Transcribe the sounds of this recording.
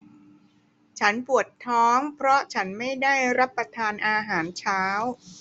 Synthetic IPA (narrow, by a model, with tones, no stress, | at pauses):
t͡ɕʰa˦˥npu˨˩ət̪ʰːɔː˦˥ŋpʰɾɔ˦˥t͡ɕʰa˦˥nma˥˩jdaː˥˩jɾa˦˥pːa˧t̪ʰaː˧nʔaː˧ɦaː˩˦nt͡ɕʰaː˦˥w